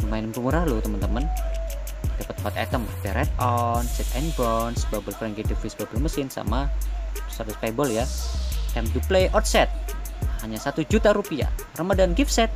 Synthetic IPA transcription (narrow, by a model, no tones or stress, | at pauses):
rumainəmkumuɾahlut̪əmənt̪əmən | dapət̪̚mpat̪ɛ̰t̪əmdɛɾɛt̪̚ɔnsɛt̪ɛnbɔnsbabəlfɾɛŋɡidifisbabəlməsɪnsa̰ma | sat̪ʊspebɔljat̪ɛmd̪uplejʔɔt̪̚sɛt̪̚haɲasat̪ud͡ʒut̪aɾupia̰rəmadanɡifsɛt̪̚